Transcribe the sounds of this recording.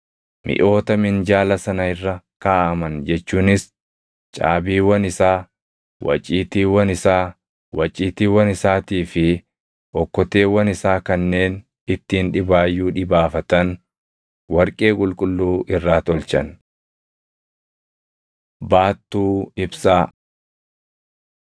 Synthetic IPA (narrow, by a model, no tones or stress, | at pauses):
mʔɪ̰ʔo̞ːt̪ɐmɪnd͡ʒaːlɐsɐnɐɪrːɐ | kaːʔɐmɐnd͡ʒɛt͡ʃːuːnɪs | t͡ʃʼa̰ːbiːwɐnɪsaː | wɐ̰t͡ʃʼiːt̪iːwɐnɪsaː | wɐt͡ʃʼiːt̪iːwɐnɪsaːt̪iːfɪ | ʔɔkːɔt̪e̞ːwɐnɪsaːkɐnːe̞ːn | ɪt̪ːiːnᶑɪbaːjːuːᶑɪbaːfɐt̪ɐn | wɐɾkʼe̞ːkʼʊlkʼʊlːuːʔɪrːaːt̪ɔlt͡ʃɐ̰n | baːt̪ːuːɪbsaː